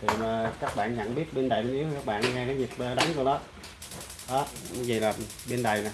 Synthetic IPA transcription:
t̪ʰi˨˩maː˨˩kaː˦˥k̚ɓa̰ː˧˨nɲa̰˧˨ŋɓi˦˥ət̚ɓe˧nɗaː˨˩jɓe˧nʔi˨˦wkaː˦˥k̚ɓa̰ː˧˨nŋɛ˧kaː˨˦zi˨˩t̚ɓaː˨˩ɗa˨˦ŋku˨˩lɔ˨˦ | ɗɔ˨˦m˨˦zi˨˩laː˨˩˨ | ɓe˧nɗa˨˩jna˨˩

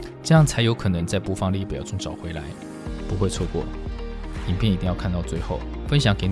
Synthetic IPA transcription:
ʈ͡ʂɤ˥˧jɑ˥˩ŋt͡sʰa˧˥ɪjo˧˥ʊkʰɤ˨˩nɤ˧˥ŋt͡sa˥˩ɪpu˧˥fɑ˥ŋli˥˩pjɑ˥˩ʊ˥ŋʈ͡ʂɑ̰˨˩ʊxwe˧˥ɪla˧˦ɪ | pu˧˥xwe˥˧ɪt͡sʰwɔ˥˧kwɔ̰˥˩ | i˨˩ŋpʰjɛ˥˩ni˧˥i˥˧jɑ˥˧kʰa˥˧nt̪ɑ˥˧ʊt͡swe˥˧ɪxo˥˩ʊfə˦˥nɕ̬jɑ˨˧˥ŋke˧˥ɪ

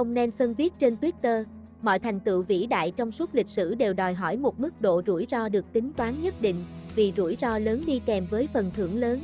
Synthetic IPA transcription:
ə˧wŋ͡mnɛ˧nsə˧nvi˦˥ət̚t͡ɕe˧nt̪wi˦˥t̚t̪əː˧ | mɔ̰˧˨jt̪ʰa˨˩jŋ̟t̪ɨ̰˧˨wvḭ˧˥ɗa̰ː˧˨jt͡ɕɔ˧wŋ͡msu˦˥t̚lï˨˩k̚sɨ̰˧˩ɗe˨˩wɗɔ˨˩jɦɔ˧˩jmo˨˩t̚mɨ˦˥k̚ɗo̰˧˨zu˧˩jzɔ˧ɗɨ˨˩ək̚t̪ï˨˦ŋ̟t̪waː˨˦nɲə˦˥t̚ɗḭ̈˧˨ŋ̟vi˨˩zu˧˩jzɔ˧ləː˨˦nɗi˧kɛ˨˩mvəː˨˦jfə˨˩nt̪ʰɨ̰˧˩əŋləː˨˦n

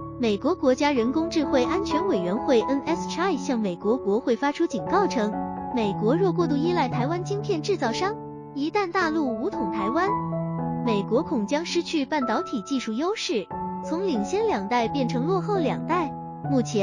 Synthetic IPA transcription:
me˨˩ɪkwɔ˧˥kwɔ˧˥t͡ɕja˥ɻə˧˥nkʊ˥ŋʈ͡ʂɻ̩˥˧xwe˥˩ɪʔa˥nt͡ɕʰɥɛ˧˥nwe˨˩ɪɥɛ˧˥nxwe˥˩ɪʔə˥nɛ˥sa˥˩ɪɕjɑ˥˩ŋme˨˩ɪkwɔ˧˥kwɔ˧˥xwe˥˩ɪfa˥ʈ͡ʂʰu˥t͡ɕi˨˩nkɑ˥˩ʊʈ͡ʂʰɤ˥ŋme˨˩ɪkwɔ˧˥ɻwɔ˥˧k̬wɔ˥˧t̪̬u˥˧i˥la˥˩ɪt̪ʰa˧˥ɪwa˥nt͡ɕi˥ŋpʰjɛ˥˧nʈ͡ʂɻ̩˥˧t͡sɑ˥˩ʊʂɑ˥ŋ | i˧˥t̪a˥˧nt̪a˥˧lu˥˩u˧˥t̪ʰʊ˨˩ŋt̪ʰa˧˥ɪwa˥nme˨˩ɪkwɔ˧˥kʰʊ˨˩ŋt͡ɕjɑ˥ŋʂɻ̩˥t͡ɕʰy˥˧pa˥˩nt̪ɑ˧˥ʊt̪ʰi˨˩t͡ɕi˥˧ʂu˥˩jo˥ʊʂɻ̩˥˩t͡sʰʊ˧˥ŋli˨˩ŋɕjɛ˥nljɑ˨˩ŋt̪a˥˧ɪpjɛ˥˩nʈ͡ʂʰɤ˧˥ŋlwɔ˥˧xo˥˩ʊljɑ̰˨˩ŋt̪a˥˩ɪ | mu˥˩t͡ɕʰjɛ˧˥

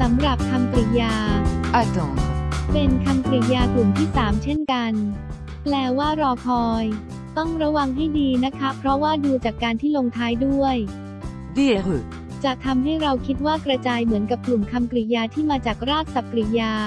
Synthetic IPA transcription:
sa˩˦mɾa˨˩p̚kʰa˧mkɾi˨˩jaː˧ʔa˧t̪ɔ˨pe˧nkʰa˧mkɾi˨˩jaː˧k̪u˨˩mt̪ʰiː˥˩saː˩˦mt͡ɕʰe˥˩nka˧n | plɛː˧˥˩waː˥˩ɾɔː˧kʰɔː˧j | t̪ɔ˥˩ŋɾa˦˥wa˧ŋɦa˥˩jdiː˧na˦˥kʰa˦˥pʰɾɔ˦˥waː˥˩duː˧t͡ɕaː˨˩kːaː˧nt̪ʰiː˥˩loː˧ŋt̪ʰaː˦˥jdu˥˩əj | di˥˩ | t͡ɕa˨˩t̪ʰa˧mɦa˥˩jɾa˧wkʰi˦˥t̪̚waː˥˩kɾa˧t͡ɕaː˧jmɯ˩˦nka˨˩p̚klu˨˩mkʰa˧mkɾi˨˩jaː˧t̪ʰiː˥˩maː˧t͡ɕaː˨˩k̚ɾaː˥˩t̪̚sa˨˩p̚kːɾi˨˩jaː˧

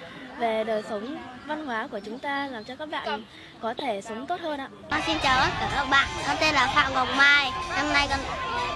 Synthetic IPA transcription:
ve˨˩ɗəː˨˩jsə˨˦wŋ͡mva˧nɦwaː˨˦ku˧˩ət͡ɕʊ˨˦ŋ͡mt̪aː˧laː˨˩mt͡ɕɔ˧kaː˦˥k̚ɓa̰ː˧˨˩ | kɔ˨˦t̪ʰe˧˩sə˨˦wŋ͡mt̪o˦˥t̚həː˧nʔa̰ː˧˥ɓa̰ː˧˨nsi˧nt͡ɕaː˨˩wə˨˦˥kəː˧˩kə˦˥k͡p̚ɓa̰ː˧˨nʰə˧˩mt̪e˧nlaː˨˩fa̰ː˧˨wŋo˨˩wŋ͡m̚maː˨˩jna˧mna˧jkə˧˩n

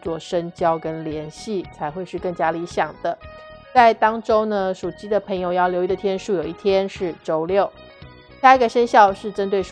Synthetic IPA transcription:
t͡swɔ˥˩ʂə˥ŋt͡ɕjɑ˥ʊkə˥nljɛ˧˥nɕi˥˩t͡sʰa˧˥ɪxwe˥˧ɪʂɻ̩˥˧kɤ˥˩ŋt͡ɕja˥li˧˥ɕjɑ˨˩ŋd̪ə˦ | t͡sa˥˩ɪt̪ɑ˥ŋʈ͡ʂo˥ʊnə˨ʂu˨˩t͡ɕi˥d̪ə˨pʰɤ˧˥ŋjo˧ʊjɑ˥˩ʊljo˧˥ʊi˧˥d̪ə˧˩t̪ʰjɛ˥nʂu˥˩jo˨˩ʊi˥˩t̪ʰjɛ˥nʂɻ̩˥˩ʈ͡ʂo˥ʊljo˥˩ʊ | a˥i˥ɡə˨˩ʂə˥nɕjɑ˥˧ʊʂɻ̩˥˩ʈ͡ʂə˥nt̪we˥˩ɪ

